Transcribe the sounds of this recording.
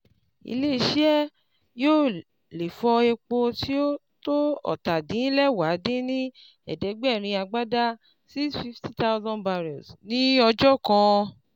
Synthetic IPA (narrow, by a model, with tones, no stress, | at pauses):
ḭ˧le˦i˧ʃi˦ɛ˦ | joː˦˨ | le˨fɔ˧e˧k͡po˧ti˦o˦ | to˦ɔ̰˨ta˨dĩ˨˦lɛ˦wa˨˦de˦nĩ˦ | ɛ̰˨dɛ˨˦ɡ͡bɛ˦˨ɾ̃ĩ˧a˧ɡ͡ba˦da˦ | si˦sfi˦fti˦ta˦ʊ˦zɔ̃˦nba˧ɾɔ̰˨snĩ˦ɔ˧d͡ʒɔ˦kã˧